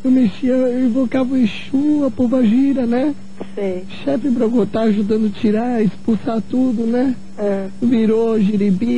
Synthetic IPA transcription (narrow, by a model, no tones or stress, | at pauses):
ʊmeʃiɐĩvokavɐẽʃuɐpobaʒiɾɐnɛ | sĩʃɛfɪpɾɐɡot̪aaʒud̪ɐ̃nd̪ʊɐt͡ʃiɾaɾɐɪspusat̪ud̪ʊnɛ | ɛ̃ | viɾoʒiɾibi